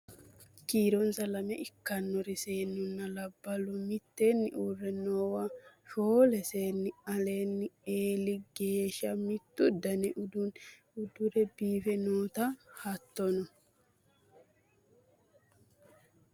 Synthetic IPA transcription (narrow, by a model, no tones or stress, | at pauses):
kiːɾɔnsɐlɐmɛʔɪkːɐnːɔɾɪseːnːʊnːɐlɐbːɐlɔmɪt̪ːeːnːɪ̰ʔuːrːɛnoːwɐ | foːlɛse̞ːnːɪɐle̞ːnːɪeːlɪɡe̞ːʃɐmɪt̪ːʊd̪ɐnɛʔʊd̪ʊn | ʊd̪ʊɾɛbiːfɛnoːt̪ɐhɐt̪ːɔnɔ